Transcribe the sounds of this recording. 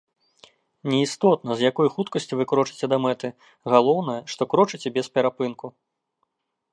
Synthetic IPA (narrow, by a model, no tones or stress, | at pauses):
nʲɛist̪ɔt̪nɐzjakɔjxut̪kɐsʲt͡sʲivɨkɾɔt͡ʂɨ̥t͡sʲɛd̪ɐmɛt̪ɨ | ɣalˠɔwnɐjɐʂt̪ɔkɾɔt͡ʂɨt͡sʲɛbʲɛspʲɛɾapɨnku